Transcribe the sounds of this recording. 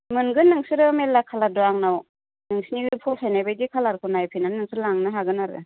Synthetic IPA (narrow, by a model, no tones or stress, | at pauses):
mɯnɡɯnːɯŋsɯɾɯmelːakʰaladuaŋnaw | nɯŋsiniɡɯpʰɔsʰajnajbajdikʰalaɾkʰunajpʰinanːɯŋsɯɾlaŋnɯɦaɡɯnaɾɯ̰